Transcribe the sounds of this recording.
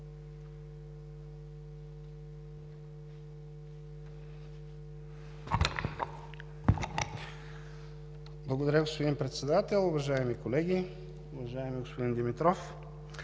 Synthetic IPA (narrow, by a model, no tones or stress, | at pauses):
blˠɐɡod̪ɐɾʲaɡospod̪inpɾɛt̪sɛd̪at̪ɛlˠʊvɐʒaɛmikolɛɡʲi | ʊvɐʒaɛmiɡospod̪ind̪imit̪ɾɔf